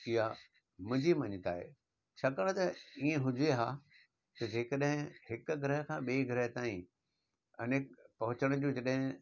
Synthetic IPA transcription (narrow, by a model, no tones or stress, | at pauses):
iɦa | mʊ̃d͡ʑimɐɲɪt̪a̰ːɦḛː | t͡ɕʰaːkɐɽ̃t̪ɐiːẽɦʊ̃d͡ʑʱeɦaː | t̪ɐd͡ʑeːkəɗɦɪ̃hɪkʊ̆ɡʱɪɾəɦkʰãːɓiːɡʱɾəɦt̪aːĩ | ɐnkpɐɦʊt͡ɕəɽ̃d͡ʑũːd͡ʑɐɗɦɪ̃